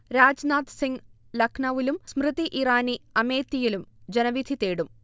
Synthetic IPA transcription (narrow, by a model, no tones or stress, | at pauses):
ɾaːd͡ʑnaːt̪siŋɡ | lɐkʰnɐʋilumsmrɨd̪iʔiraːniɐme̞ːt̪ːijilumd͡ʑenɐʋid̪ʱit̪eːɽum